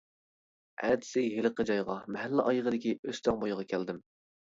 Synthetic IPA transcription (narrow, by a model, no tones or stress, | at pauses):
ɛ̰d̪sɪɦelɨqəd͡ʒɑjʁɑmɛɦælːɪʔɑjʁəd̪ɪkʲiøst̪ɑŋbojʁɑkʲʰɛld̪ɪm